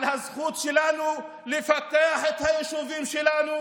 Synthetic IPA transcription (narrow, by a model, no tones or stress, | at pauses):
lhazχut̪ʃelanu | lefakeaħet̪hajeʃuvimʃelanu